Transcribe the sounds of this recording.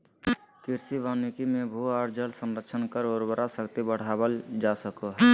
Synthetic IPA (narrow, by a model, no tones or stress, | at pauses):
kɪɾsiʋaːnikimẽbʱuaːɾd͡ʒəlsəmɾəkʃʰənkəɾoːɾbəɾasəkt̪ibəɽ̤aːbəld͡ʒasəkoɦɛ